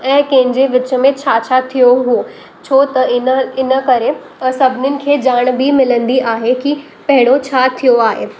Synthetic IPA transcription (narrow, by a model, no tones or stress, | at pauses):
ɛ̃ːkẽɦɪ̃ɲd͡ʑeʋɪt͡ɕə̆mẽt͡ɕʰaːt͡ɕʰat̪ʰijoɦu | t͡ɕʰoːt̪ɐɪnɪnə̆kɐɾe | sɐbʱɪnɪnɪ̆kʰeːd͡ʑaːɽ̃bʱimɪlə̃nd̪iʔaːɦeki | pɐɦɪɽ̃ot͡ɕʰaːt̪ʰːijoaːɦḛː